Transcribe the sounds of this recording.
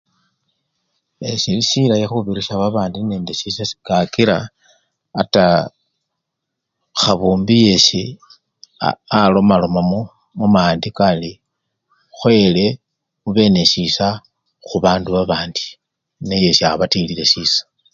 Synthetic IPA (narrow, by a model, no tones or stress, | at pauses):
eʃiliʃilajexuβiɾiʃaβaβaːndine̞ːnde̞ʃisasi̥kakiɾaː | ta | xaβuːmbijesi | a̰alo̞malo̞mamo | mumaːndikali | xwe̞le̞ | muβe̞ne̞ʃisa | xuβaːnduβaβaːndi | neje̞siaβatilile̞ʃiːsḁ